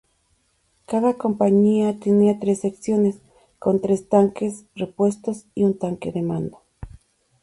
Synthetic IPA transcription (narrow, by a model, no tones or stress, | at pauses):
kaðako̞mpaɲiat̪eniat̪ɾe̞seksjo̞nes | kont̪ɾe̞st̪aŋke̞srepwe̞st̪o̞siunt̪aŋkeðemãnd̪o